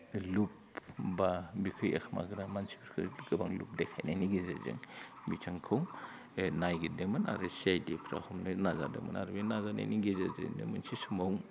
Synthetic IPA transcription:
lup | babikʰɯjekʰma̰ɡɯɾamansi̥biɾkʰɯɡɯbaŋlṵp̚dekʰajnajniɡiza̰zɯ̰ŋbit͡ʃʰaŋkʰɯw | najɡidemɯna̰ɾɯsiajdepʰɾa̰humnɯnazadḛmɯ̰na̰ɾbinazana̰jniɡezazɯ̰nḛmɯnsisumaw

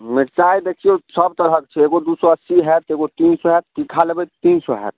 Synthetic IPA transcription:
meʈt͡ʃajd̪ekʰiosəb̚t̪əɾɦəkt͡ʃʰɛeɡod̪usɔəsːiɦɛt̪eɡot̪iːnsɔɦɛt̪̚kikʰalebət̪t̪insɔɦɛ̰t̪̚ʰ

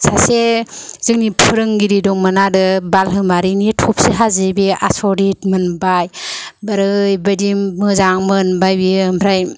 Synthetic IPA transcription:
sasez̥ɯŋnipʰɯɾɯŋɡiɾidɔŋmɯnadɯbalɦɯmaɾinitʰɔp̚seɦazibeasɔɾitmɯnbajbaɾɯjbadimmɯzaŋmɯnbajbimbʰɾaj

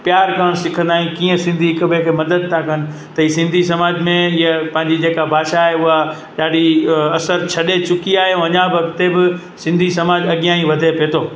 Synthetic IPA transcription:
pjaːɾkaːɽ̃sɪkʰə̃nd̪aːĩkiːə̃sɪ̃nd̪ʱiɪkəbẽkʰeːmɐd̪əd̪̚t̪ʰakənɪ̆ | t̪ɐɦiːsɪ̃nd̪ʱis̬ɐmaːd͡ʑmẽjapɐ̃ɦɪ̃ɲd͡ʑid͡ʑeːkabʱaːʃaːɦeʊɦa | ɗaːɗiɐsəɾt͡ɕʰɐɗet͡ɕʊkiaːɦeũɐɲãʋɐkt̪ebɪ | sɪ̃nd̪ʱisɐmaːd͡ʑɐɠijãːĩʋɐd̪ʱepeːt̪ʰoː

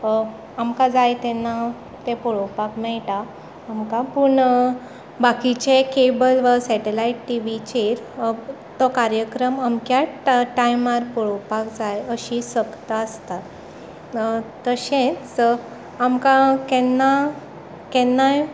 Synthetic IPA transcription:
amkad͡zajt̪ɛnːa | t̪epɔɭopakmɛɭʈaː | mkapuɳ | bakit͡ɕekebəlʋasɛʈelaiʈʈiʋit͡ɕeɾ | t̪ɔkaɾjəkɾəmamkjaʈajmaɾpɔɭowpakd͡zajəɕisəkt̪aəst̪a | t̪əɕẽt͡s | amkakɛnːa | kɛnːaj

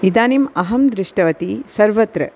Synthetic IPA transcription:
id̪aːnimɐɦɐmd̪ɾɪʂʈɐʋɐt̪isɐɾʋɐt̪ɾɐ

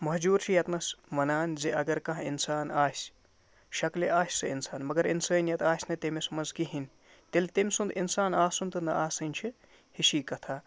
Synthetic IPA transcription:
mɐɦd͡ʒuːɾt͡ʃʰijɐt̪nɐsʋɐnaːnziʔɐɡɐɾkɐ̃ɦinsaːnaːsʲ | ʃɐkliʔaːsʲsɨinsaːnmɐɡɐɾḭnsɐːnjɐt̪aːsʲnɐt̪emɐsmɐnzkiɦinʲ | t̪elʲt̪emʲsund̪insaːnaːsunt̪ɨnɐ̰ʔaːsɐnʲt͡ʃʰi | hiʃiːkɐt̪ʰaː

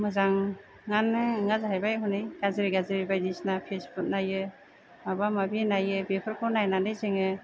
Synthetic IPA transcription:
mɯzaŋː | anɯŋazɦajbajɦɔnɯjɡ̥azeɾiɡazɯɾibajdisnapʰesbut̚najɯ | mabamabinajɯbepʰɯɾkʰɔnajnanɯjzeŋɯ

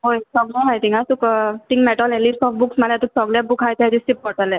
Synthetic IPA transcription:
ɦojsɔɡlɔ̃ɦajt̪ĩŋɡat̪ukt̪iŋmɛʈɔlɛ̃lipsɔfbuksmalat̪uk̚sɔɡlabukɦajt̪ɦad͡ʒ̪ĩsʈip̚kɔʈəlɛ̃

